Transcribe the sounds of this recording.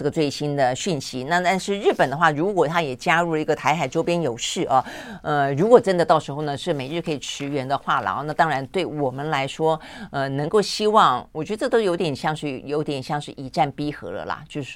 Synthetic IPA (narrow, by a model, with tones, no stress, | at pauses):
ɤ˥˩ɡə˩t͡swe˥˩ɪɕi˥nd̪ə˨ɕy˥˩nɕi˧˥na˥˧t̪a˥˧nʂɻ̩˥˧ɻɻ̩˥˩pə˨˩nd̪ə˦xwa˥˩ɻu˧˥kwɔ˨˩t̪ʰa˥jɛ˨˩t͡ɕja˥ɻu˥˩lə˩i˧˥ɡə˧t̪ʰa˧˥ɪxa˨˩ɪʈ͡ʂo˥ʊpjɛ˥njo˨˩ʊʂɻ̩˥˩ʔɐ˨˩ə˧ɻu˧˥kwɔ˨˩ʈ͡ʂə˥nd̪ə˧t̪ɑ˥˩ʊʂɻ̩˧˥xo˥˩ʊnə˩ʂɻ̩˥˩me˨˩ɪɻ̩˥˩kʰɤ˧˥i˨˩ʈ͡ʂʰɻ̩˧˥ɥɛ˧˥nd̪ə˧xwa˥˩lə̰˨˩˦na˥˩t̪ɑ˥ŋɻa˧˥nt̪we˥˩ɪwɔ˨˩mə˦nla˧˥ɪʂwɔ˥ə˧nɤ˧˥ŋko˥˩ʊɕi˥wɑ˥˩ŋwɔ˨˩t͡ɕɥɛ˧˥də˧ʈ͡ʂɤ˥˩t̪o˥ʊjo˧˥ʊt̪jɛ˨˩nɕjɑ˥˧ŋʂ̩˥˩jo˧˥ʊt̪jɛ˨˩nɕjɑ˥˧ŋʂɻ̩˥˩i˨˩ʈ͡ʂa˥˩npi˥xɤ̰˧˥lə̰˧lɐ̰˨t͡ɕjo˥˧ʊʂ̩˧˥